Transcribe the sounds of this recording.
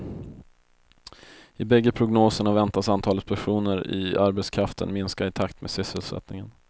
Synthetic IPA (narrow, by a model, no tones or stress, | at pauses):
ɪbɛɡːəpʰɾʊɡnoːsəɳavɛnt̪asant̪ʰɑːlət̪pʰæɧuːnəɾɪ̰aɾbɛt̪skʰɾaft̪ʰə̰nmɪnskaɪt̪ʰakt̪meːd̪sʏsəlsɛ̰t̪nɪŋən